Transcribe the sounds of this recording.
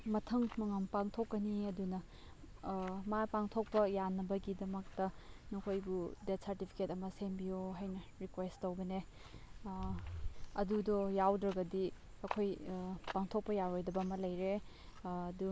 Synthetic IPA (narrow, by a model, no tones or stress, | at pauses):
mɐtʰɐŋmɐŋampaŋtʰokːɐniɐdunɐ | mapaŋtʰok̚pɐjanɐbɐɡidɐmɐk̚tɐnokʰojbudet̚sɐɾtipʰi̥ketɐmɐsembijoɦajnɐɾikwesttowbɐne | ɐdudɔjawdɾɐɡɐdi | ɐkʰojpaŋtʰok̚pɐjaɾojdɐbɐmɐlɐjɾe | ɐdu